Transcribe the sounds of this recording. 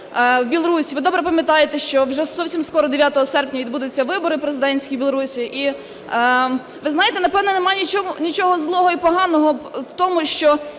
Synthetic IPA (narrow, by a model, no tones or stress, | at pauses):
wbʲilˠɔɾusʲiʋɪd̪ɔbɾɛpɐmʲjɐt̪ɑjet̪ɛʃt͡ʃɔwʒɛzɔwsʲimskɔɾɔd̪eʋʲjat̪ɔɦɔsɛrpʲnʲɐʋʲid̪bud̪ʊt͡sʲːɐʋɪbɔɾɪpɾezɪd̪ɛnʲsʲkʲijbʲilˠɔɾusʲiʔi | ʋɪznɑjet̪ɛnɐpɛwnɔnemɑjnʲit͡ʃɔnʲit͡ʃɔɦɔzlˠɔɦɔipɔɦɑnɔɦɔwt̪ɔmʊʃt͡ʃɔ